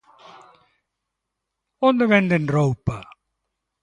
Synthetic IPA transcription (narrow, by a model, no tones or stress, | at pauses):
ɔndəvɛndənrowpɐ